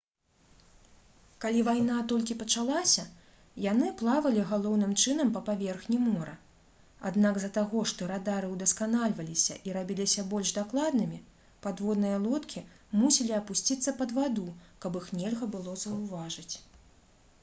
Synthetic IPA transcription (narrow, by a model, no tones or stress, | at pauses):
kalʲivajnat̪ɔlʲkʲipɐt͡ʂalˠasʲɐ | janɨplˠavɐlʲiɣalˠɔwnɨmt͡ʂɨnɐmpɐpavʲɛrxnʲimɔɾɐ | a̰d̪naɡzɐt̪aɣɔʂt̪ɔɾad̪aɾɨwd̪ɐskanalʲvɐlʲisʲɐ̰ʔiɾabʲilʲisʲɐbɔlʲʐd̪aklˠad̪̚nɨmʲi | pad̪vɔd̪nɨjɐlˠɔt̪kʲʰi | musʲɛlʲiɐpusʲt͡sʲit̪sːɐpɐd̪vad̪ukɐbixnʲɛlʲɣɐbɨlˠɔzɐwvaʐɨt͡sʲ